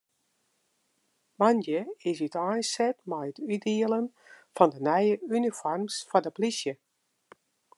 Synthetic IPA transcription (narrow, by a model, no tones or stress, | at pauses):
manjəɪsytajnsɛtmɛjətydiələn | fɔndənɛjəynifɔrmsfɔdəplisjə